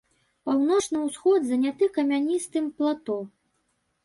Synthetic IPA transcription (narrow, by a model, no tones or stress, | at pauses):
pawnɔt͡ʂnɐwsxɔd̪zɐnʲat̪ɨkɐmʲanʲist̪ɨmplˠat̪ɔ